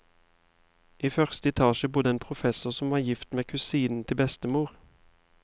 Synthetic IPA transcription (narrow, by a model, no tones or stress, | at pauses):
iːfœʁst̪əɛt̪ʰɑːʃəbʊd̪əeːnpʰʁʊfɛsʊʁsɔm̩ʋɑːjɪft̪meːkʰʉsiːnn̩t̪ʰɪlbɛst̪əmuːʁ